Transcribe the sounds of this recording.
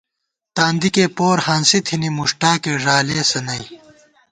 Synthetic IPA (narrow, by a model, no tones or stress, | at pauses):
t̪aːnd̪ikeːpoːɾhansit̪ʰinimuʂʈaːkeːʐaːleːsɐnɐj